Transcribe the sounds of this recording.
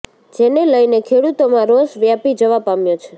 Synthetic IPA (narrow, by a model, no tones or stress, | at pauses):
d͡ʒeneləjnekʰeɽut̪omãɾosʋjapid͡ʒəʋapamjot͡ʃʰe̥